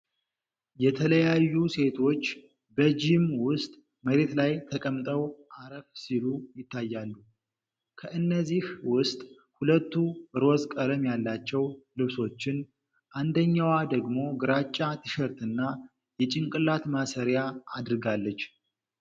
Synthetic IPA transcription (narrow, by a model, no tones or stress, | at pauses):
jɛt̪ʰələjajːuse̞t̪ʰo̞t͡ʃː | bəd͡ʒimwʊst̪ʼ | məɾe̞t̪lajt̪ʰəkʼəmt̪ʼəwʔaɾəfsilujɪt̪ʰːajːalːu | kʰəʔɨnːəzːihwʊst̪ʼ | hulət̪ːuɾo̞zkʼələmjalːat͡ʃːɛwlɨβso̞t͡ʃːɪn | ʔand̪əɲːawad̪əɡmo̞ɡɨɾat͡ʃʼːat̪ʰɨʃəɾt̪ʰɨnːa | jɛt͡ʃʼɪŋkʼɨlːat̪masəɾjaad̪ɨɾɡalːət͡ʃː